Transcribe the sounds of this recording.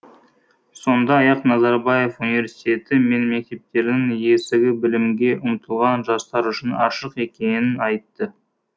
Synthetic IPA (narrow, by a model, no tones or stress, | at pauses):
so̞nd̪ɑːjɑqnɑzɑɾbɑje̞funivʲe̞ɾsi̥t̪ʲe̞t̪ɪme̞nme̞k̚t̪e̞p̚t̪e̞ɾd̪ɪŋje̞sɪɡʲɪbɪlɪmɡʲe̞ʔʊmt̪ʰəlˠʁɑnʒɑst̪ɑɾʏʃɪnɑʃəqe̞kʲe̞nɪnɑjt̪ːə